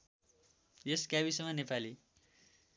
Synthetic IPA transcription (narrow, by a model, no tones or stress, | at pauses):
jeskjabisʌŋmʌnepali